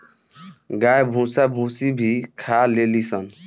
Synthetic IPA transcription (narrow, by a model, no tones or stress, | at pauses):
ɡajbʱusabʱusibʱikʰalelisɔn